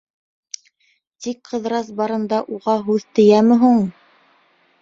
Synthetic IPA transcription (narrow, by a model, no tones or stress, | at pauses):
t̪ikqɤ̆ðɾɑs̬bɑɾɤ̆nd̪ɑʔuʁɑɦʉðt̪ɘ̆jæmɘ̆ɦuɴ